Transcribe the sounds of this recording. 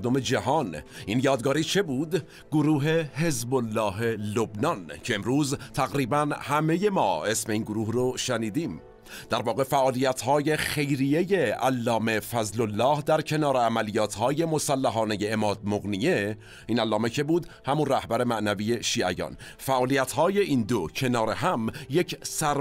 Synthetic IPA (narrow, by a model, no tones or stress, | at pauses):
d̪ome̞d͡ʒæhɒniːnjɒːd̪ɡɒːɾiːt͡ʃʰe̞buːd̪ | ɡ̥oɾuːɦe̞ɦe̞zbolːɒːɦelo̞bnɒncʰe̞emɾuːzt̪ʰæɣɾiːbænhæme̞je̞mɒːe̞sme̞iːnɡoɾuːhroʃæniːd̪iːm | d̪̥æɾvɒːɣe̞fæʔɒːlijæt̪ʰhɒːje̞xe̞jɾijeje̞ælːɒːme̞fæzlolːɒːhd̪æɾcʰe̞nɒːɾeæmælijɒːt̪ʰhɒːje̞mo̞sælːæɦɒːne̞jeːmɒːd̪̚moɣnije̞ | iːnælːɒːme̞cʰe̞buːd̪hæmunræhbæɾe̞mæʔnæviːje̞ʃiːæjɒ̰ːn | fæʔɒːlijæt̪ʰhɒːje̞ʔiːnd̪ocʰe̞nɒːɾeɦæmje̞cʰsæɾ